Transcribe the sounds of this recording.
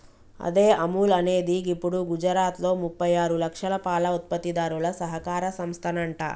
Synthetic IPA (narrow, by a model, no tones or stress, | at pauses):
ɐ̰d̪e̞ːʔɐmuːlɐne̞ːd̪iɡipːuɽuɡud͡ʒɐɾaːt̪lo̞ːmupːɐjaːɾulɐkʂɐlɐpaːlɐut̪̚pɐt̪ːid̪aːɾulɐsɐɦɐkaːɾɐsɐmst̪ʰɐnɐɳʈɐ̰